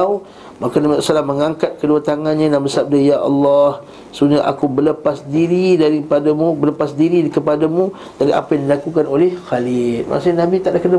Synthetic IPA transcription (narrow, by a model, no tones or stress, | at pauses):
w | makanamsalaməŋaŋkat̪̚kəduat̪aŋanɲãnabəsap̚dajaʔɑ̰lːɔh | səuuɲaʔa̰kubələpasdiɾidaɾipadamũbələpasdiɾidikəpadamũ | t̪aɾiʔa̰pajãŋdilakukanolɛhxalɪlma̰ʔsaɲnãbit̪aʔdahkəna